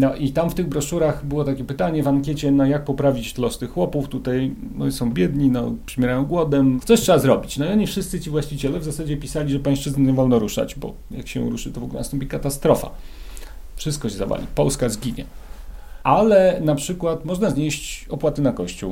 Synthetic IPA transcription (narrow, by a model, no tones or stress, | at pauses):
nɔʔit̪amft̪ɘɣbɾɔʂuɾaxbɘwɔt̪akʲɛpɘt̪aɲɛvamkʲɛt͡ɕɛnɔjak̚pɔpɾavʲit͡ɕt̪lɔst̪ɨxwɔpuft̪ut̪ajnɔ̰sɔ̃w̃bʲjɛd̪ɲinɔpʂɛmʲjɛɾajɔ̃w̃ɡwɔd̪ɛmt̪ɔɕtʂɛbazɾɔbʲit͡ɕnɔiɔɲifʂɘst̪sɘt͡ɕivwaɕt͡ɕit͡ɕɛlɛvzasad͡ʑɛpʲisalʲiʐɛpãj̃ʂt͡ʂɘznɛɲɛvɔlnɔɾuʂa̰d͡ʑbɔ̰ | jakɕɛṵɾuʂɨt̪ɔvɔɡulɛnst̪ɔmpʲikat̪ast̪ɾɔfa̰ | fʂɘst̪kɔɕɛza̰va̰lʲḭpɔlskazɡʲiɲɛ̰ | alɛnapʂɘkwat̪mɔʐnazɲeɕt͡ɕɔpwat̪ɘnakɔɕt͡ɕṵw